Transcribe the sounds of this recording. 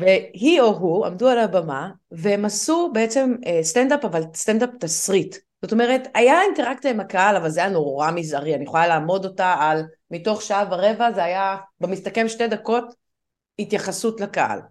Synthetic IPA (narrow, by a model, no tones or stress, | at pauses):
veɦio̞ɦua̰mdualabama | veemasube̞et͡se̞mstendapavalst̪endap̚tasʁit | z̥o̞to̞me̞ʁetajainte̞ʁakt͡sijaimhakaalavalzeajano̞ʁʁamizaʁianiχolalaːmo̞do̞taal | mito̞χʃaavaʁe̞vazeajabemistake̞mʃte̞dako̞t | hitjaχasutlakaʔa̰l